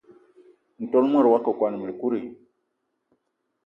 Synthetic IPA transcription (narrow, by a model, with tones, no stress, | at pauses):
n̩˨tɔ˦lmə˦˨ɾwa˦kə˨kwa˨˦nə˨mə˨lku˦ɾi˨